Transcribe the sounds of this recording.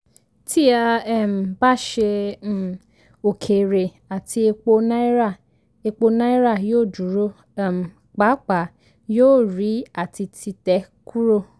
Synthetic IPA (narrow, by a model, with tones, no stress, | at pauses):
tʰi˦a˧ɛ˦˨m̩˨ba˦ʃe˧˦˨ | o˨kʰe˨ɾe˨ | a˨ti˧e˧k͡po˧nã˦i˦ɾa˦˨ | e˧k͡po˧nã˦i˦ɾa˦˨joː˦˨du˨˦ɾo˦˨ | m̩˨ | k͡pa˨˦k͡pa˨ | joː˦˨ɾi˨˦a˦˨ti˧tʰi˧tɛ˨˦kʰu˦ɾo˦˨